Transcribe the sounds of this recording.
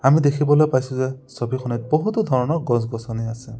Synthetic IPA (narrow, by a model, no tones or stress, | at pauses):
amid̪ekʰibɔlojpajsũzɛsɔbʱixʰɔnɛt̪̚bɔɦut̪ɔd̪ʱɔɹɔnɔɡɔ̃s̬ɡɔsɔniasɛ